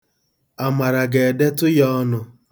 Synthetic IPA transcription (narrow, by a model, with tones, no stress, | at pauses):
a˨ma˨ɾa˨ɡe˨de˦tʊ˦jɔ˦ɔ˦nʊ˦